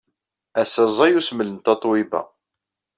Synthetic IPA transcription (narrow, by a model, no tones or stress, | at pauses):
æsæzˤɑjusmələnt̪ɑt̪ˤwibæ̰